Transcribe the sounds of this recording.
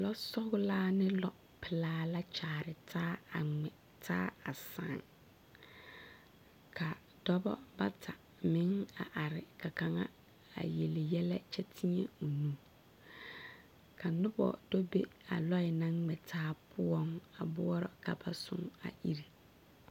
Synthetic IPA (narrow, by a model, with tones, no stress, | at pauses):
lɔ˦sɔ˦ɣʊ˦laː˦nɪ̃˦lɔ˦ | pʰɪ˨laː˦la˦t͡ʃʰaː˨ɾɪ˨tʰaː˦a˨ŋ͡mɛ˨ | tʰaː˦a˨sã̰ː˨n | kʰa˨ | d̥ɔ˦bɔ̰˦ba̰˦tʰa˨ | mɪ̃˦ŋa˨ʔa˨ɾɪ˨kʰa˨kʰã˨ŋã̰˦ | a̰˨je˨lɪ˨jɛ˦lɛ˦t͡ʃʰɛ˦tʰĩ˦ɛ̰˦u˨nũ˦ | kʰa˨˦nʊ̃˦bɔ̰˨d̥ɔ˦be˦a̰˨lɔ˦ɪ˨nã˦ŋ͡mɛ˨tʰaː˦pʰʊ˦ɔ̃˦ŋa˨bʊ˦ɔ˦ɾɔ˨kʰa˨ba˦sʊ̰̃˦ŋa̰˨ʔi˦ɾi˨